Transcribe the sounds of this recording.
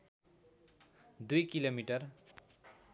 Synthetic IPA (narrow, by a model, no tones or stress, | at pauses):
d̪ujkilomiʈʌr